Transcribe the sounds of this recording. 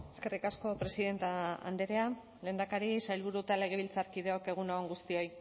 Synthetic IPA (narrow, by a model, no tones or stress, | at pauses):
eskerikasko̞pɾe̞siðe̞nt̪aa̰nd̪eɾea | le̞ːnd̪akaɾisajlβuɾut̪ale̞ɣ̞eβ̞ilt͡saɾkið̞eo̞ke̞ɣ̞unooŋɡust̪io̞j